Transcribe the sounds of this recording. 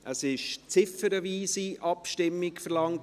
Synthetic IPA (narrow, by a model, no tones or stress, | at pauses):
ʔəsɪʃt͡sɪfəɾəviːsiʔɑpʃtɪmːɪkfəɾlɑŋt